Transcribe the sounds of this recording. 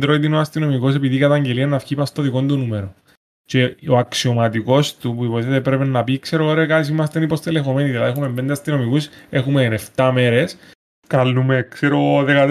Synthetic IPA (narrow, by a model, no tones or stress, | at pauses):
d̪ɾoit̪inoɐst̪ino̞mikos̬e̞piðikɐt̪ɐɲɟe̞liɐnːɐfçipɐst̪oðiko̞nd̪unumeɾo | t͡ʃe̞oɐksio̞mɐt̪iko̞st̪upuipoet̪eepɾepenːɐpikse̞ɾoɾekɐt̪is̬imɐst̪enipo̞st̪ele̞xo̞me̞niðilɐðexumembend̪eɐst̪ino̞mikuse̞xumeneft̪ɐme̞ɾes | kɐlːumekseɾoðekɐt̪